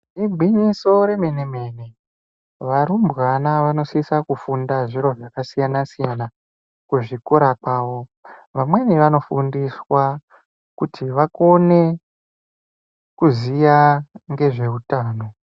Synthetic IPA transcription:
ibʱiɲisoɾe̞meneme̞ne̞ | ʋaɾumbɣanaʋano̞sisakufundaʐiɾo̞ʐakasijanasijana | kuʐikuɾakwaːʋo̞ʋamwe̞niʋano̞fundiswa | kutʰiʋako̞ne̞ | kuzijaŋɡe̞ʐe̞utaːno̞

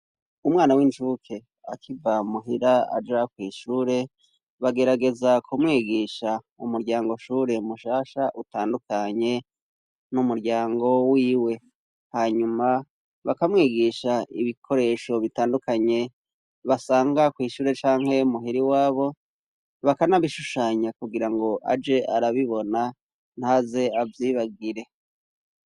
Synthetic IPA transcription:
umŋaːnawint͡ʃuːkʰe̞ | a̰kivamuɦiɾaa̰d͡ʒakwiːʃuːɾe̞ | βaɡe̞ɾaɡe̞zakʰumŋiːɡiʃa | umuɾɟaːŋɡo̞ʃuːɾe̞umuʃaːʃaʔutaːndukʰaɲe̞ | numuɾɟaːŋɡo̞wiːwe̞ | haɲuma | βakamŋiːɡiʃaiβikʰo̞ɾe̞ʃo̞βitaːndukaɲe̞ | βasaːŋɡakwiːʃuːɾe̞t͡ʃaːŋhe̞umuɦiɾiwaːβo̞ | βakanaβiʃuʃaɲakuɡiɾaŋɡo̞ʔa̰d͡ʒe̞ʔaɾaβiβo̞na | n̥haze̞avjiːβaɡiɾe̞

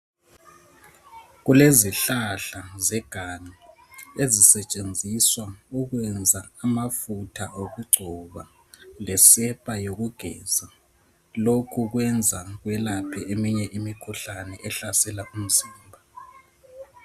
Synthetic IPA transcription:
ɣuleziɬaɬazɛɡ̥ʱaɲaezisɛt͡ʃʼend͡zʱiswauɣwɛnd͡zʱaːmafutʰaʔoɣuɡ͡ǀʱɔβa | lɛsɛpʼajoɣuɡ̥ʱɛ̰ːza | lokʰuɣwɛnd͡zʱaɣwɛlapʰɛʔemiɲɛʔimikʰuɬanɛʔɛɬasɛlaʔum̩ziːmbʱa

